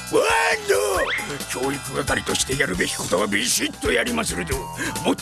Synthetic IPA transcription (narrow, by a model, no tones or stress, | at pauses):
aɲokʰʲo̞ːikɯɡak̪aɾʲit̪o̞ɕi̥t̪e̞jaɾɯ̟be̞kʲi̥ko̞t̪o̞βabiʑit̪ːo̞jaɾʲimasɨɾed̪omo